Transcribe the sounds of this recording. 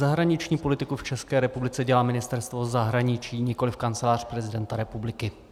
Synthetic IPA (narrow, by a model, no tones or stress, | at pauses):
zaɦɾaɲɪt͡ʃɲiːpo̞lɪt̪ɪkuft͡ʃɛskɛːɾɛpublɪt͡sɛɟɛlaːmɪnɪst̪ɛɾst̪vo̞zaɦɾaɲɪt͡ʃiːɲɪkolɪfkant͡sɛlaːr̝̥pɾɛzɪdɛnt̪aɾɛpublɪkɪ